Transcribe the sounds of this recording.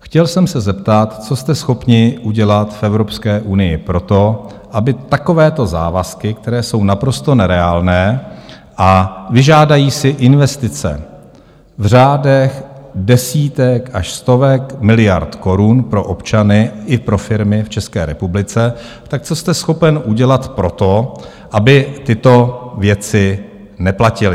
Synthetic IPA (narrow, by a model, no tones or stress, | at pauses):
xcɛlsɛmsɛzɛpt̪at̪t͡so̞st̪ɛsxo̞pɲɪʔuɟɛlat̪fɛvɾo̞pskɛːʔunɪjɪpɾo̞t̪o̞ | ʔabɪt̪ako̞vɛːt̪o̞za̰ːvaskɪk̚t̪ɛɾɛːso̞wnapɾo̞st̪o̞nɛɾɛaːlnɛː | ʔavɪʒaːdajiːsɪʔɪnvɛst̪ɪt͡sɛ̰ | vr̝aːdɛxdɛsiːt̪ɛkaʃst̪o̞vɛkmɪlɪjaɾt̪ko̞ɾunpɾo̞ʔopt͡ʃanɪʔɪpɾo̞fɪɾmɪft͡ʃɛskɛ̰ːɾɛpublɪt͡sɛ | t̪ak̚t͡so̞st̪ɛsxo̞pɛnʔuɟɛlat̪pɾo̞t̪o̞ | ʔabɪt̪ɪt̪o̞vjɛt͡sɪ | nɛplacɪlɪ